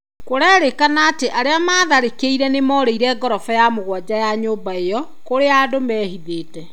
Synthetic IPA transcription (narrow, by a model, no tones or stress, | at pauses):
koɾɛɾekanaːteʔaɾeamaːðaɾekeiɾɛnemɔːɾeiɾɛɡɔɾɔfɛjamoɣwad͡ʑajaɲoːbaejɔ | koɾeaːdomɛːɦiðeːtɛ